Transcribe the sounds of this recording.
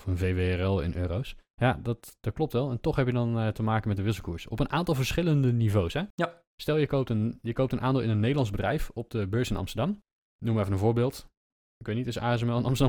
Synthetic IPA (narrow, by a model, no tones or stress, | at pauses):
fənvejʋeɛrɛlˠɪ̰nʔø̰ːrowsjadɑtd̥ɑtklɔp̚tʋɛlˠɛntɔχɦɛpjədɑntəmaːkəmɛt̚dəʋɪslˠkuːɹsɔ̰pənʔaːntɑlˠvəɹsχɪləndənivowsɦɛ | stɛlˠjəkowp̚tənjəkowptənʔa̰ːndeɪlˠɪnənːejdəlˠɑnzbədrɛjfɔb̚dəbøːɹsɪnɑ̰mstəɹdɑm | numɛfənənvʊːɹbɪːlˠt | ɪkʋejtnitɪsaːsəmɛlˠənɑmstədɑ